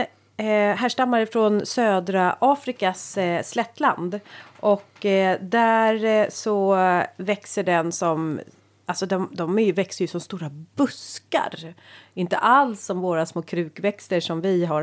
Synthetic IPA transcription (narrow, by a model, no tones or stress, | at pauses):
ɦæːʂʈamːaɾɪfɾɔnsøːd̪ɾaʔɑːfɾɪkasːlɛt̪ːla̰nd̪ʔɔkːd̪æɾsɔvɛksəɖɛnsɔm | alsɔd̪ɔmd̪ɔmæɾjɵvɛksəjɵsɔmst̪uːɾabɵska̰ɾɪnt̪ə̰ʔalsːɔmvoːɾasmoːkʰɾʉ̟ːkvɛkst̪əʂɔmvɪɦa